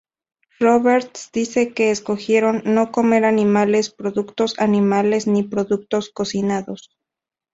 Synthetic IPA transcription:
roβeɾt̪sd̪ise̞ke̞ːsko̞xje̞ɾo̞nːo̞ko̞me̞ɾanimale̞spɾo̞ðukt̪o̞sanimale̞znipɾo̞ðuk̚t̪o̞sko̞sinaðos

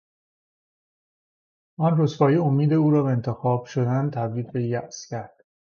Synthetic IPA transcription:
ʔɒnrosfɒːjeomiːd̪euːɾɒːbeent̪ʰe̞xɒːb̥ʃod̪ænt̪ʰæbɾiːd̪be̞jæʔscʰæɾd̪̥

